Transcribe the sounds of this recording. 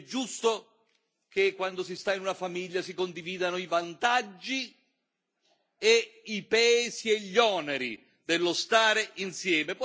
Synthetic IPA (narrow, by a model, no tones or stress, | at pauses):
d͡ʒːust̪o | kekːwand̪osist̪ainunafamiʎːasikond̪iviːd̪anoivant̪ad͡ʒːi | eipaɛːsieʎːɔːnɛɾi | d̪elːost̪aːɾeinsjɛːmep